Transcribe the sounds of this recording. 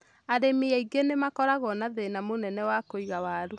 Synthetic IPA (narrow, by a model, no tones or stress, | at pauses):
aɾemeɛiɡenemakɔɾaɣɔnaðenamonɛnɛwakoiɣawaɾu